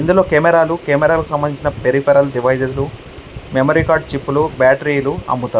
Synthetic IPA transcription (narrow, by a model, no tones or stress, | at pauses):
ind̪ulo̞ːkeːmɛɾaːlukeːmɛɾaːlukusɐmbɐnd̪iɲt͡ʃinɐpeɾipʰeɾɐlɖiʋɐjseslu | memoɾiːkaːɾɖ̚t͡ʃipːulubaːʈɐɾiːluɐ̰mːut̪aː